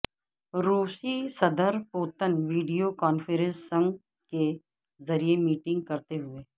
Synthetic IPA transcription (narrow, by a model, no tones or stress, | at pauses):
ɾuːsisɐd̪əɾpoːt̪ənʋiːɖijokaːnfəɾə̃nsːɐ̃ŋɡ | ke | zɐɾiemiːʈɪ̃ŋɡ̚kɐɾt̪eɦʊeː